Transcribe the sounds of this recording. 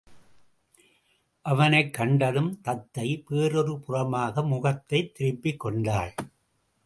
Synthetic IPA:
ʔɐʋɐnɐɪkːɐɳɖɐðɯmt̪ɐt̪ːɐɪpeːɾɔɾɯpʊrɐmaːɣɐmʊɣɐt̪ːɐɪt̪ːɪɾɪpːɪkːɔɳɖaːɭ

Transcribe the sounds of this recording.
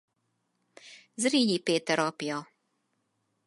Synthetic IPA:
zɾiːjipeːt̪ɛɾɔpijɔ

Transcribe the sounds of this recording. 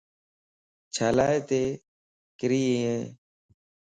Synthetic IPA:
t͡ʃʰaːlaːeːt̪eː | kɪɾiːiẽː

